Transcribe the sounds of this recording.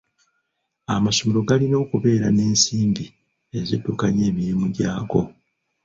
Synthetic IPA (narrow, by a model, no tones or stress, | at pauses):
amaʃomiɾo̞ɡalino̞ːkuβe̞ːɾane̞ːnsiːmbi | ezitːukaɲe̞ːβiɾimuɟaːko̞̰